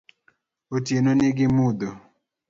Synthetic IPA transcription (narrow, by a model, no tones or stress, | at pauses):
otjenonɪɡɪmud̪o